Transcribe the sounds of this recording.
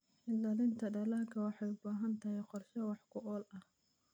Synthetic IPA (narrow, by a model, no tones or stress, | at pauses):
ʔɪnlɐlɪnt̪ʰɐɖɐlaːkʰɐwɑħɑjʊbaːɦɐnt̪ʰɐɦɛjqɔrʃɐwɑħkʰʊʔɔːlɐh